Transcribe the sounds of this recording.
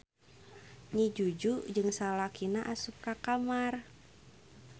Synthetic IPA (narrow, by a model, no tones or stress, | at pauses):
ɲid͡ʒud͡ʒud͡ʒɨŋsalakinaʔasuk̚kakamar